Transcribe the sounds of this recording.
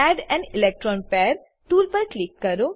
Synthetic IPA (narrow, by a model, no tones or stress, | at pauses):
ɛɖɛ̃ɳɖilek̚ʈɾɔːnpɛɾ | ʈuːlpəɾklikːəɾo